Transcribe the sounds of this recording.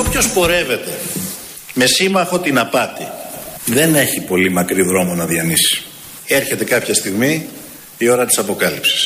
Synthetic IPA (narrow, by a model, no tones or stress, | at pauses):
opço̞spo̞ɾe̞ve̞t̪e̞ | me̞simɐxo̞t̪inɐpɐt̪iðe̞ne̞çipo̞limɐkɾiðɾo̞monɐðjɐnisi̥ | e̞ɾçe̞t̪e̞kɐpçɐst̪iɣmi | io̞ɾɐt̪i̥sɐpo̞kɐlipsi̥s